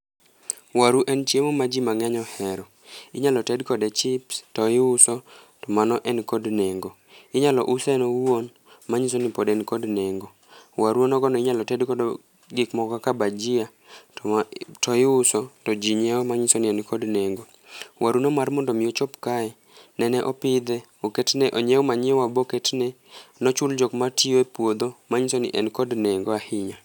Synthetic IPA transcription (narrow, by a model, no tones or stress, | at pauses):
waɾuʔɛnt͡ʃjemomad͡ʒimaŋɛɲɔhɛɾɔ | ɪɲalɔtɛdkɔdɛt͡ʃɪptɔɪʊsɔ | tɔmanɔʔɛnkodneŋɡo | ɪɲalɔ̰ʔusɛnɔwwon | maɲisonɪpɔdɛnkodneŋɡo | waɾuonɔɡɔnɔɪɲalɔtɛdkɔd | ɡɪkmɔkɔkabad͡ʒia | tɔɪʊsɔtɔd͡ʒiɲɛɔmaɲisonɪɛnkʰɔdneŋɡo | wʔaɾunomarmɔndɔmɪjot͡ʃɔpkaɛ | nɛnɛʔɔpɪd̪ɛ | oketnɛʔoɲɛɔmaɲwaboketnɛ | nɔt͡ʃʊld͡ʒɔkmatioepwod̪omaɲisonɪ̰ʔɛnkodneŋɡoahɪɲa